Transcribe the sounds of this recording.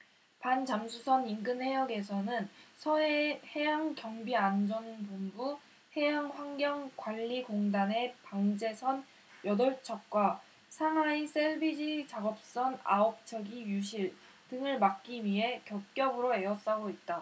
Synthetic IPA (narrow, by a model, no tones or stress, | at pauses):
pant͡ɕamsʰusʰʌninɡɯnhe̞jʌɡe̞sʰʌnɯnsʰʌehe̞jaŋkjʌŋbiand͡ʑʌnpombu | he̞jaŋɸwaŋɡjʌŋkwaʎːiɡoŋdane̞paŋd͡ʑe̞sʰʌn | jʌdʌɭt͡ɕʰʌk̚k͈wa | sʰaŋɦwais͈ʰeɭbid͡ʑit͡ɕaɡʌp̚s͈ʌna̰op̚t͡ɕʰʌɡijuɕʰiɭ | tɯŋɯɭmak̚k͈imie̞kjʌk̚k͈jʌbɯɾoe̞ʌs͈aɡoit̚t͈a